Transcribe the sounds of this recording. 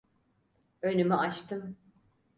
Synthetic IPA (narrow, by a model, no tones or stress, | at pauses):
ønymyʔat͡ʃt̪ʰɯm